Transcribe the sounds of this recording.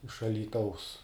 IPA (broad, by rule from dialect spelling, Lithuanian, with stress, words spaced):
ɪʃ ɐlʲiːˈtɐʊs